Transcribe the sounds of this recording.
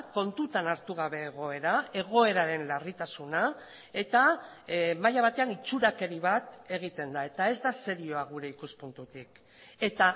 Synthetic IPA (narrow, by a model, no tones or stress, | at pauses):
ko̞nt̪ut̪anaɾt̪uɣ̞aβe̞ːɣ̞o̞e̞ɾae̞ɣ̞o̞e̞ɾaɾe̞nlarit̪asuna | e̞t̪a | majaβ̞at̪e̞anit͡ʃuɾake̞ɾiβ̞at̪e̞ɣit̪e̞nd̪ae̞t̪ae̞zd̪ase̞ɾio̞aɣ̞uɾe̞ikuspunt̪ut̪ik | e̞t̪a